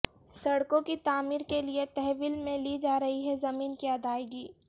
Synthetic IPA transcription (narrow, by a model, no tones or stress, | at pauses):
sɐɽkõkit̪aːmiːɾkeliet̪ɛɦʋiːlmẽliːd͡ʒaːɾɐɦiɦɛzɐmiːnkiɐd̪aːeɡiː